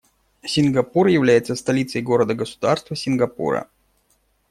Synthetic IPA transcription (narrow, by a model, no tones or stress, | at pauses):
sʲɪnɡɐpurjɪvlʲæjɪt̪səst̪ɐlʲit̪səjɡo̞ɾəd̪əɡəsʊ̥d̪arst̪vəsʲɪnɡɐpṵɾə̰